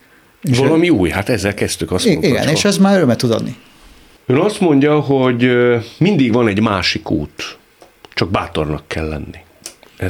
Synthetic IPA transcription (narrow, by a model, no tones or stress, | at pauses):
evɒlɒmiuːjhat̪ɛzːɛlkɛst̪ykɒst̪moiɡɛ̰neːʃɛzmaːɾøɾømɛt̪ud̪ɒ̰d̪ni | øːnɒst̪mo̞ɲɟɒɦoɟmind̪iɡʋɒnɛɟmaːʃikṵːt̪ | t͡ʃɒɡ̚baːt̪o̞rnɒkːɛlːɛ̰nːi | ɛ